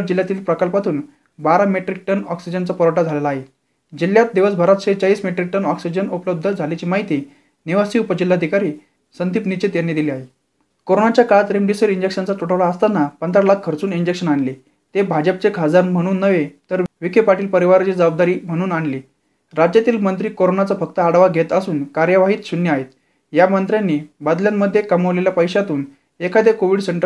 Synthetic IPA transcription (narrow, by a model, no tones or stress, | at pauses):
ʈ̚d͡ʑiljat̪iːlpɾəkəlpat̪uːn | baɾameʈɾik̚ʈənɔksid͡ʑənt͡sapəɾəʈad͡zʱalelaːɦe | d͡ʑiljat̪̚d̪eʋəsbʱaɾət̪ɕet͡ɕaʋiːsmeʈɾik̚ʈənɔksid͡ʑənupələb̚d̪ʱəd͡zʱalet͡ɕimaɦit̪iː | niʋasiupəd͡ʑilːaəd̪ʱikaɾiː | sənd̪ipnit͡ɕit̪janːed̪iliaɦe | koɾonat͡ɕjakat̪ɾemɖisəɾiɲd͡ʑekʂənt͡sat̪uʈʰəʋɭaəst̪anːapənd̪ʱɾalakʰːəɾt͡suːniɲd͡ʑekʂənaɳli | t̪ebʱad͡ʑəp̚t͡sekʰad͡zanm̤əɽ̃uːnːəʋet̪əɾʋikepaʈiːlpəɾiʋaɾt͡ɕid͡zəbab̚d̪aɾiːm̤əɽ̃uːnaɳli | ɾad͡ʑjat̪iːlmənt̪ɾiːkoɾonat͡safək̚t̪əːɽʋaɡʱet̪əsuːnkaɾjəʋaɦiːt̪sunjəaɦet̪ | jamənt̪ɾjanːiːbad̪ljamːəd̪ʱːjekaməʋleljapəjɕat̪uːn | ekʰad̪ekoʋiɽseɳʈə